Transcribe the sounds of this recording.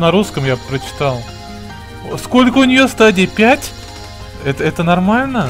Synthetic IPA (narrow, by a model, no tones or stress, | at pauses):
nɐɾuskəmjapɾət͡ɕɪ̥t̪alˠ | sko̞lʲkəʊnʲɪjost̪adʲɪjəpʲætʲ | ɛt̪əɛt̪ənɐrmalʲnə